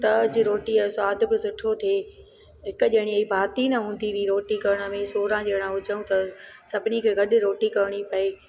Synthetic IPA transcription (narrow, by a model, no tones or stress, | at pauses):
t̪ɐd͡ʑiɾoːʈiaswaːd̪ʱbɪsʊʈʰot̪ʰeː | ɦɪkʊʄɪɦɪɽ̃iɐibʱaːt̪inɐɦũːn̆d̪iʋiːɾoːʈikɐɾəɽ̃ə̆mẽsoːɾãd͡ʑeɽ̃ãɦʊd͡ʑəjũt̪ɐsɐbʱɪnikʰeːɡɐɗɪ̆ɾoːʈikɐɾɪɽ̃ipɐeː